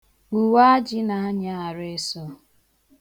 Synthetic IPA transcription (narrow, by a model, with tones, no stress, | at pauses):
u˨wa˦d͡ʒi˦na˨˦ɲa˨a˨ɾe˦sɔ˦